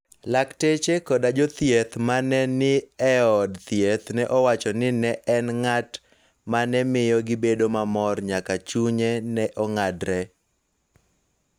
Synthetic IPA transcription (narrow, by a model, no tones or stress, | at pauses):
laktet͡ʃekɔdad͡ʒɔt̪jet̪manɛnɪɛɔdt̪jet̪nɛʔɔwat͡ʃɔnɪnɛʔɛnŋat | manɛmɪjɔɡɪbedomamɔrɲakat͡ʃuɲɛnɛʔɔŋadɾɛ